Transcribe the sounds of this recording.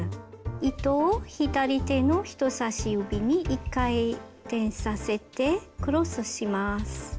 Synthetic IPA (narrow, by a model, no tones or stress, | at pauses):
it̪o̞ːçid̪aɾʲit̪e̞no̞çi̥t̪o̞saɕiɯ̟bʲiɲ̟iʔikːai | t̪ẽ̞ɰ̃sase̞t̪e̞kɯ̟ɾo̞sɨɕimasɨ̥